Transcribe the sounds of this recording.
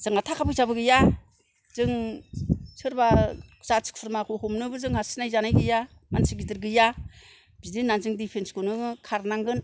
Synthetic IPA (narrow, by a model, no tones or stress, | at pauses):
z̥ɯŋatʰakʰapʰɯjzabɯɡɯja | zɯŋ | sɯɾbazasɯ̥k̚pʰɯɾmakʰohomnɯbɯzɯŋhasnajzanajɡɯja | ma̰nsʰɯɡidɯɾɡɯja | bidinːanzɯŋdipʰenskonɯkʰaɾnaŋɡɯn